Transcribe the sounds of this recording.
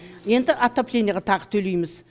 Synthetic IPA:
je̞nd̪ɪʔat̪ːoplʲenjɑʁɑt̪ʰɑʁət̪ʰɵlejmɪz

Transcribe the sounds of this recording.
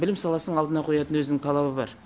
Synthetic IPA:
bɪlɪmsɑlˠɑsənəɴɑlˠd̪ənɑqʰojɑt̪ənwɵzɪnɪŋt̪ʰɑlˠɑbəbɑ̰ɾ

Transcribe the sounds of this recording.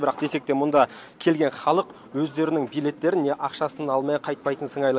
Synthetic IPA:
bɪɾɑqd̪e̞se̞k̚t̪e̞mʊnd̪ɑ | kʲʰe̞lɡʲe̞nχɑlˠəq | wɵzd̪e̞ɾɪnɪŋbijle̞t̪ːe̞ɾɪnːe̞ʔɑqʃɑsənɑlˠmeqʰɑjt̪̚pɑjt̪ənsəɴɑjlˠ

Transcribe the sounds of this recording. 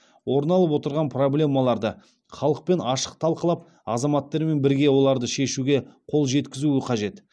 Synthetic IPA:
wo̞ɾnɑlˠəp̬wot̪əɾʁɑnpʰro̞blʲe̞mːɑlˠɑɾd̪ə | χɑlˠəq̚pe̞nɑʃə̥q̚t̪ʰɑlˠqəlˠɑp̚ | ɑ̰zɑmɑt̪ːɑɾme̞nbɪɾɡʲe̞wo̞lˠɑɾd̪əʃe̞ʃuɡʲe̞qʰo̞lˠʒe̞t̪kʲɪzuɪqʰɑʒe̞t̪

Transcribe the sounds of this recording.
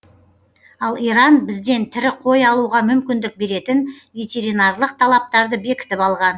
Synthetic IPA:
ɑlˠijɾɑnbɪzd̪e̞nt̪ʰɪɾɪqʰo̞jɑlˠuʁɑmʏmkʲɪnd̪ɪk̚be̞ɾe̞t̪ɪnvʲe̞t̪ʲe̞ɾijnɑrlˠəq̚t̪ʰɑlˠɑp̚t̪ɑɾd̪əbe̞kʲɪ̥t̪ɪpɑlˠʁɑn

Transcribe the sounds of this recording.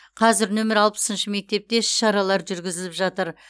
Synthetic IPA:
qʰɑzɪɾnɵmɪɾɑlˠpə̥sənʃɪme̞k̚t̪e̞p̚t̪e̞ʃɑɾɑlˠɑɾʒʏɾɡʲɪzɪlɪpʒɑt̪əɾ

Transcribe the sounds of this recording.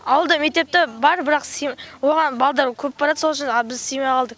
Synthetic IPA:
ɑwəlˠd̪ɑme̞k̚t̪e̞p̚t̪ɪbɑɾbɪɾɑqsijwo̞ʁɑnbɑlˠd̪ɑɾkʲʰɵp̚bɑɾɑd̪əso̞lˠəʃɪnbɪzsijmɑjqʰɑlˠd̪əq

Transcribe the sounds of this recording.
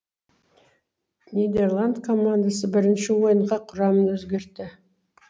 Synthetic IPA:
nʲijd̪e̞rlˠand̪kʰo̞mːand̪asəbɪɾɪnʃɪwo̞jəɴʁɑqʰʊɾɑmənwɵzɡʲe̞ɾt̪ɪ

